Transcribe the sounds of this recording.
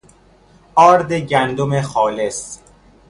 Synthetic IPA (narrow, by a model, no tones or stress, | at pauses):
ʔɒːɾd̪eɟænd̪omexɒːles